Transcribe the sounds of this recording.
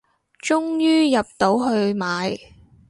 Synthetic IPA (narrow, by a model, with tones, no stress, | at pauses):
t͡ʃʊ˥ŋjyː˥jɐ˨p̚t̪o˨˥wɦɵ˧ɥmaː˨˧j